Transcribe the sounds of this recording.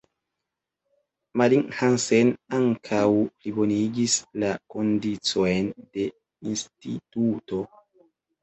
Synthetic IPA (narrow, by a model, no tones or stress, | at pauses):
maliŋhansenaŋkʰawplibo̞niɡislakondit͡so̞jnde̞ | instḭtuto̞